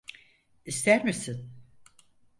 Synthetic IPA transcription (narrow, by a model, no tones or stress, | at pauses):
ist̪æɾmisin